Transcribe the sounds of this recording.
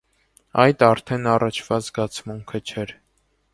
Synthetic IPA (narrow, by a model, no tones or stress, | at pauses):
ɑjd̪ɑɾt̪ʰɛnɑrɑt͡ʃʰvɑt͡sɡɑt͡sʰmuŋkʰət͡ʃʰɛɾ